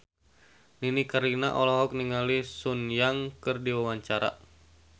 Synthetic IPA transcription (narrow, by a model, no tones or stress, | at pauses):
ninikaɾinaʔɔlɔɦɔk̚niŋalisunjaŋkɨrdiwawaɲt͡ʃaɾa̰